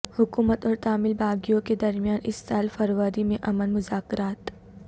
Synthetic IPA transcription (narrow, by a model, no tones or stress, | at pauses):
hʊkuːmət̪ɔːɾt̪aːmɪlbaːɡijõked̪ɐɾmjaːnɪsːaːlfɐɾʋəɾimẽʔɐmənmʊzaːkɾaːt̪